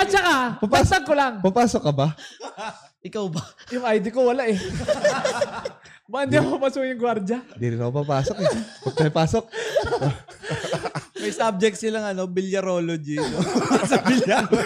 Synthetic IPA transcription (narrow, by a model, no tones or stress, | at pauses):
ʔɐt͡ʃɐkapapaɐɡkːolaŋpapaːsokːɐbɐ | ʔɪkawbɐjʊŋʔajd̪ɪkowɐlaʔɛ | mɐɪnd̪ikohʊmɐsujʊŋɡwaɾd͡ʒɐd̪iɾɪnɐkopapaːsok̚nɛpɐɐpaːsok̚ | mɐjsab̚d͡ʒɛk̚t̪sɪlɐŋɐno̞bɪljɐɾoːlod͡ʒinosɐbɪlja